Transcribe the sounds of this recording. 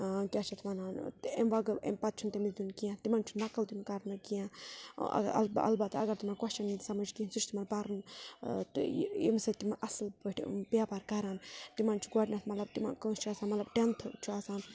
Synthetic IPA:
kʲjaːt͡ʃʰɐt̪ʰmɐnaːnt̪emʋɐɡḛmpɐt̪̚t͡ʃʰunt̪imid̪unkijãt̪imant͡ʃʰunɐkɐld̪unkɐɾnɨkijã̰ | ɐ̰lbɐ̰lbɐt̪ɐ̰ɡɐɾt̪imankɐt͡ʃɐnsɐmɐd͡ʒkiinsut͡ʃʰt̪imɐnbaɾɨnt̪ḭmsɐt̪imaʔɐslbəʈʰpjaːpaɾkaɾaːnt̪imant͡ʃʰu̥ɡoʈnat̪ʰmɐt̪lɐb̚t̪ima̰nkəst͡ʃʰuaːsaːnmɐt̪lɐbʈent̪ʰɨt͡ʃʰuaːsaːn

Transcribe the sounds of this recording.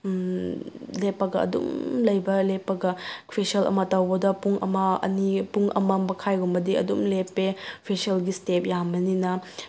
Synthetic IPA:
lepːɐɡɐɐ̰dṵmlɐjbɐlepːɐɡɐpʰesɐlɐ̰mɐtɐwbɐdɐpuŋʔɐ̰mɐɐ̰nipuŋʔɐ̰mɐmbɐkʰajɡumbɐdiɐ̰dumlepːepʰesiɐlɡistep̚jamɐninɐ

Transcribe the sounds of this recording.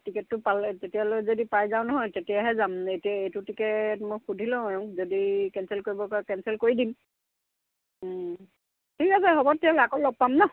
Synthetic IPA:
tikɛtːʊpaltetijalojzodipajzaʊnɔɦɔjtetijaɦɛzametiaejtʊtikɛtmojxudʱilɔ̃ɔjɔ̃zodikɛnsɛlkoɹibɔkɔɹakɛnsɛlkoɹidim | tʰikas̬ɛɦɔbɔtʰːialoakolɔɡ̚pamnɔ

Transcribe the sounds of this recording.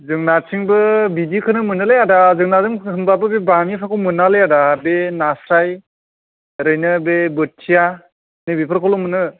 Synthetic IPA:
zɯŋnatʰiŋbɯbidikʰɯnɯmɯnɯlejadazɯŋnazɯŋʰɯmbabɯbebamipʰakomɯnalejadabenasɾaj | ɾɯjnɯbebɯt̚tʰija | nɯbipʰɯɾkʰɔlɔmːɯnɯ

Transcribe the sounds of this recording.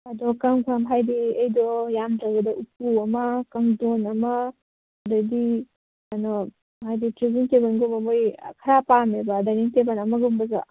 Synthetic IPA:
ɐdɔkamkʰamɦajdiɐjdɔjamtawɡɐdɐʔup̚uɐmɐkaŋdɔnɐmɐː | dɔdi | anɔ | ɦajditɾiziŋtebanɡobɐmojkʰaɾapamebadaniŋtebanɐmɐɡumbɐza̰

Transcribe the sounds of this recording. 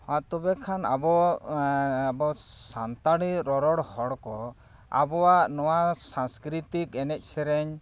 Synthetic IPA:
hãt̪ɔbɛkʰana̰bɔ | abɔsant̪aɽiɾɔɾɔɽhɔɽkɔ | a̰bɔwaʔnɔwasaŋskɾit̪ikɛnɛc̚ˀsɛɾɛɲ

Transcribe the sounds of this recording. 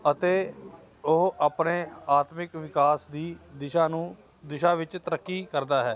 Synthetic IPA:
ət̪eː | ʊɦaːpneːaːt̪mɪkʋɪkaːsd̪iːd̪ɪʃãːnũː | d̪ɪʃaːʋɪt͡ʃt̪əɾəkːiːkəɾd̪aːɦɛː

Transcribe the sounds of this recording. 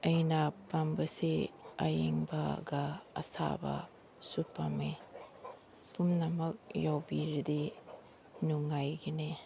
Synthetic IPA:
ɐjnɐpɐmbɐseɐjeŋbɐɡɐ̰ːsa̰bɐ̰ | supame | pumnɐmɐk̚jawbiɾid̪i | nuŋajɡine

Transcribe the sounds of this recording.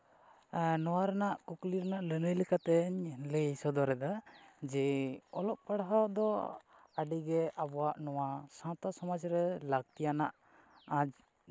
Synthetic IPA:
nɔwaɾɛnaʔkukliɾɛnaʔlənəjlikat̪ɛɲləjsɔd̪ɔɾɛd̪ad͡ʒɛɔlɔʔ̚paɽaɦad̪ɔ | aɖiɡɛʔabɔwaʔnɔwasãt̪asɔmad͡ʒɾɛlaɡ̚t̪ijanaʔ | ad͡ʒ

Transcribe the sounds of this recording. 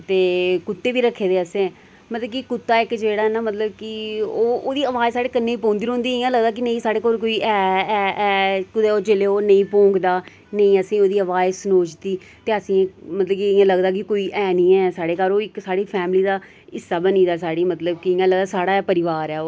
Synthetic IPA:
t̪eːkʊt̪ːeːʋiːɾəkʰːeːd̪eːəsẽː | mət̪ləbkɪkʊt̪ːaːɪkd͡ʒeːɽaːɦɛnaːmət̪ləb̚kɪoːoːd̪iːəʋaːzsaːɽeːkənːeːiːpõːnd̪iːɾõːnd̪iːɪjãːləɡd̪aːk̬ɪnəĩːsaːɽeːkoːɾkoːiːɛːɛːɛːkʊd̪eoːd͡ʒeːleːoːnəĩːpõːŋɡd̪aː | nəĩːəsĩːoːd̪iːəʋaːjsnoːt͡ʃt̪iː | t̪eːəsĩːmət̪ləbkiɪjãːləɡd̪aːk̬ɪkoːiːʔɛːnĩːɛːsaːɽeːkaɾoːɪksaːɽiːpʰɛːmliːd̪aː | ɪsːaːbəniːd̪aːsaːɽiːmət̪ləbkɪɪjãːləɡd̪aːsaːɽaːɛːpəɾɪʋaːɾɛːo

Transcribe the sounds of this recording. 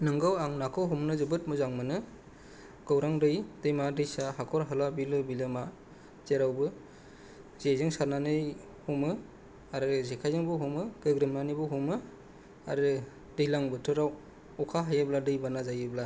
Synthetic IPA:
nɯŋɡɯwaŋnakʰɯwɦumnɯzɯbɯt̚mɯzaŋmɯnɯ | ɡ̥ɯwɾaŋdɯjd̥ɯjmadɯjsaɦakʰɔɾɦɯlabilɯbilɯma | zeɾawbɯ | z̥ezɯŋsaɾnanɯj | humɯ | aɾɯzekʰajzɯŋbɯɦumɯɡɯɡɾɯmnanɯbɯɦumɯ | a̰ɾɯ | dɯjlaŋbɯtʰɯɾaw | ɔkʰaɦajabladɯjbanazajɯbla

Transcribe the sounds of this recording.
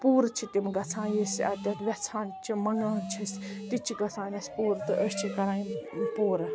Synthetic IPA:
puːɾt͡ʃʰit̪imɡɐt͡sʰãːnjisɐt̪ʲɐt̪ʋʲɐt͡sʰaːnt͡ʃʰimɐŋɡaːnt͡ʃʰist̪it͡ʃʰiɡɐt͡sʰãːnʲɐspuːɾt̪ɨʔəst͡ʃʰikɐɾãːjipuːɾɐ

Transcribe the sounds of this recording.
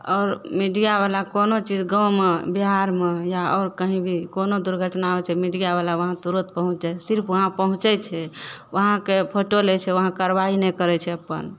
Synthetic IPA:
ɔːɾmiɖijabalakonot͡ʃid͡ʒɡəwmebiɦaɾmejaɔːɾkəɦĩbʱikonod̪uɾɡʱəʈnaɛt͡ʃʰɛmiɖijaβalaʋəɦãt̪uɾət̪̚pəɦũt͡ʃd͡ʒasiɾpʰʋəɦãpəɦũt͡ʃɛt͡ʃʰɛʋəɦãkepʰoʈolɛt͡ʃʰɛʋəɦãkəɾʋainɛkəɾɛt͡ʃʰɛəpːə̰n

